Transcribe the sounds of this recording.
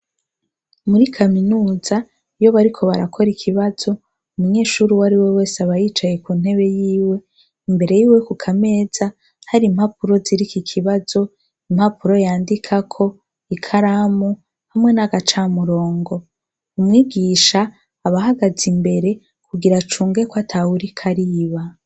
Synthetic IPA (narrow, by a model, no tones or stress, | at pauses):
muɾikʰaminuːza | ijo̞βaɾikʰo̞βaɾakʰo̞ɾikʰiβaz̥o̞ | umuɲe̞ːʃuːɾiwaɾiwe̞we̞ːseaβajiːt͡ʃaje̞kun̥e̞βe̞jiːwe̞ | imbe̞ɾe̞jiːwe̞kukʰame̞ːz̥a | haɾiːm̥hapuɾo̞ziɾikikʰiβazo̞ | imhapuɾo̞jaːndikʰakʰo̞ | ikʰaɾamu | hamŋe̞naɡat͡ʃaːmuɾo̞ːŋɡo̞ | umŋiːɡiːʃaː | βaɦaɡazimbe̞ɾe̞ | kʰuɡiɾat͡ʃuːŋɡe̞kwatʰahuɾikʰaɾiβa